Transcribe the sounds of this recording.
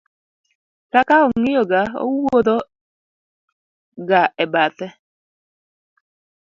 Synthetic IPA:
kakaɔŋɪjoɡao̰wod̪o | ɡaɛbat̪ɛ

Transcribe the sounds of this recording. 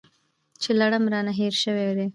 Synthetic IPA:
t͡ʃelaɽamɾɑnaɦeɾʃəwed̪e

